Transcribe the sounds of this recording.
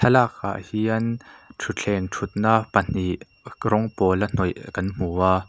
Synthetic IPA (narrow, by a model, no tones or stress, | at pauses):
ɐlakʰːa̰ːʔhiɐnʈ͡ʂʰut͡ɬʰɛnʈ͡ʂʰut̪̚naːʔpɐn̥iʔ | rɔŋpɔlɐn̥ɔjkɐnm̥uaː